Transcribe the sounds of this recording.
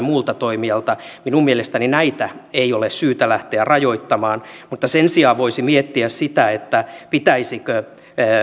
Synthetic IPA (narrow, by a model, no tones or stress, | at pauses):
muːlt̪ɑt̪oimiɑlt̪ɑminummielest̪æninæit̪æeiolessyːt̪ælæht̪eærɑjoit̪ːɑmɑːnmut̪ːɑsensiɑːʋʋoisimiet̪ːiæssit̪æet̪ːæpit̪æisikø